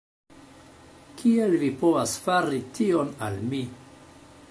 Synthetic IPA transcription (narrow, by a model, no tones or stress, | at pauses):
kʰielvipovasfaɾitʰio̞nalmi